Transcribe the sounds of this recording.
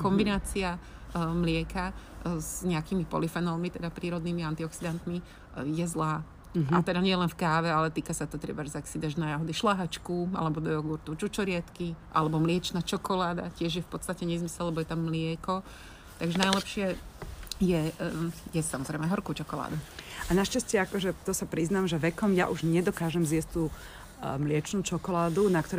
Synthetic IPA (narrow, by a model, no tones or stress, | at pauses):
kɔmbinaːt͡siamlɪɛkazɲɛakimipɔ̰lifɛnɔlmit̪ɛd̪apɾiːɾɔd̪niːmiant̪iɔksid̪ant̪mi | jɛzlaː | at̪ɛd̪aɲɪɛlɛnfkaːʋɛalɛt̪iːkasat̪ɔt̪ɾɛ̰baʒzaksid̪ɛʒnajaɦɔd̪iʃlaɦat͡ʃkuʔa̰lɛbɔd̪ɔjɔɡuɾt̪ut͡ʃut͡ʃɔɾɪat̪kiʔa̰lɛbɔmlɪɛt͡ʃnat͡ʃɔkɔlaːd̪a̰cɪɛʒjɛfpɔt̪st̪acɛɲɛzmisɛllɛbɔjɛt̪amːlɪɛkɔ | t̪aɡʒɛnajlɛpʃɪɛ | jɛ | jɛssamɔzɾɛjmɛɦɔɾkuːt͡ʃɔkɔla̰ːd̪uanaʃcascɪɛakɔʒɛt̪ɔsapɾiznamʒɛʋɛkɔmja̰ʔuʒɲɛd̪ɔkaːʒɛmzjɛsc̚t̪uː | mlɪɛt͡ʃnuːt͡ʃɔkɔlaːd̪unakt̪ɔɾ